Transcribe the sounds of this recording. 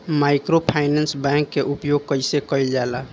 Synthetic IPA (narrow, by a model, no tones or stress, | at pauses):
maɪkɾopʰaɪnɛnsbɛ̃ŋkːeʔupjoɡ̚kəɪsekəɪld͡ʒala